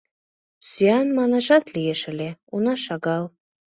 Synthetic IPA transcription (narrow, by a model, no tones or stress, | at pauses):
syjɑnmɑnɑʃɑt̪lijeʃɘ̆leunɑʃɑɡɑl